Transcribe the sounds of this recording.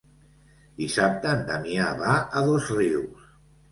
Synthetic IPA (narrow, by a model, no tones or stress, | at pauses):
d̪isap̚t̪ənd̪amiaβaəðozriws